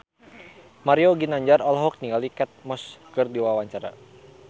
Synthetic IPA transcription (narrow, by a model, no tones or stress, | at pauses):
maɾioɡinaɲd͡ʒaɾɔlɦɔk̚niŋalikɛt̪̚mɔskərdiwawaɲt͡ʃaɾa̰